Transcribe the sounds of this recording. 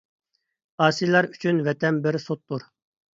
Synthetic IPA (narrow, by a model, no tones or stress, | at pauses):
ɑːsijlˠɑɾyt͡ʃʰynvɛt̪ʰɛnbɪɾsot̪ːuɾ